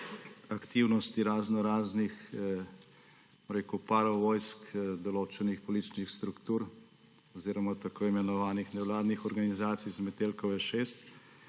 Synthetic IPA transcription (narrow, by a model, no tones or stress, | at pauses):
ɐkt̪iwnɔst̪iɾaːznɔɾaːznix | bomɾeːkupaːɾɔʋɔjskd̪ɔloːt͡ʃɛnixpɔlit͡ʃnixst̪ɾukt̪uɾ | ɔziːɾɔmat̪akoːimɛnɔʋaːnixnɛwlaːd̪nixɔɾɡanizaːt̪sijzmɛt̪elkɔwɛʃeːst̪